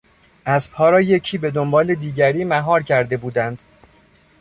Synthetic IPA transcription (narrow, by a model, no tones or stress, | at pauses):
ʔæzpʰɒːɾɒːjecʰiːbe̞d̪ombɒːled̪iːɟæɾiːmæɦɒːɾcʰæɾd̪e̞buːd̪ænd̪̥